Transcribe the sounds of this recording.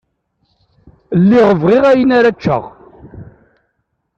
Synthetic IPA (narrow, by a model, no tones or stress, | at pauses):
lːiʁəvʁɪʁæjənaɾat͡ʃːə̰ʁ